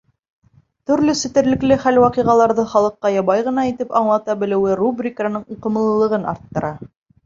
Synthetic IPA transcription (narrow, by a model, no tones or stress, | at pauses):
t̪ɵ̆ɾlɵsɵ̆t̪ɘ̆ɾlɘ̆klɘχælwɑqiʁɑlˠɑɾðɤχɑlˠɤ̆qːɑjɑβɑjʁɤ̆nɑit̪ɘpɑɴlˠɑt̪ɑbɘ̆lɘ̆wɘrubrʲikanɤɴuqɤ̆mɤ̆lˠɤ̆lˠɤ̆ʁɤnɑ̰ɾt̪ːɤ̆ɾɑ